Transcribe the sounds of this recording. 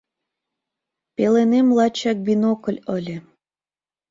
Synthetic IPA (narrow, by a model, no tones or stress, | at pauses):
pelenemlˠɑt͡ɕɑk̚binokə̆lʲəlʲe